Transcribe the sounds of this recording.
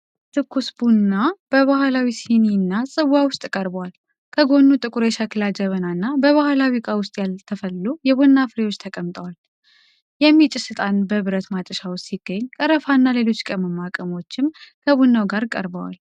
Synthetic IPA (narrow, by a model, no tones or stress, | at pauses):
t̪ʰɨkːusbunːab̥əβahlawisininːasʼɨβawʊst̪ʼkʼəɾbəwal | kʰəɡo̞nːut̪ʼɨkʼuɾeʃakʰɨlad͡ʒəβənanːabəβahlawikʼawʊst̪ʼjalt̪ʰəfəlːujɛbunːafɨɾewo̞t͡ʃːt̪ʰəkʼəmt̪ʼəwal | jɛmːit͡ʃʼɪsɨt̪ʼanbəβɨɾət̪mat͡ʃʼəʃawssiɡ̥ːəɲːkʼəɾəfanːale̞lo̞t͡ʃːkʼəməmːakʼəmo̞t͡ʃːɪmkʰəbunːawɡaɾkʼə̰ɾbəwa̰l